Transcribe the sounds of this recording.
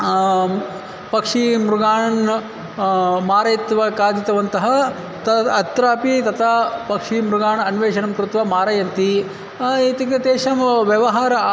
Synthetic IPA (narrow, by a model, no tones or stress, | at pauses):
pɐkʂimɾuɡaːɳɐɳ | maːɾɐjt̪ʋɐkaːd̪it̪ɐʋɐnt̪ɐɦɐ | t̪ɐɐt̪ɾaːpit̪ɐt̪ʰɐpɐkʂimɾuɡaːɳɐnʋeːʃɐnɐmkɾut̪ʋɐmaːɾɐjɐnt̪i | it̪iket̪eːʃɐmʋjɐʋɐɦaːɾɐ